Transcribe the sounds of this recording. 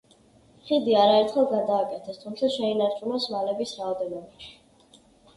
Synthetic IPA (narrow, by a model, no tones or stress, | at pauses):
χid̪iaɾaɛɾt̪χɛlˠɡad̪aːkʼɛt̪ʰɛst̪ʰumt̪sʰaʃɛinaɾt͡ʃʼunasmalɛbisɾaɔd̪ɛnɔbaʃ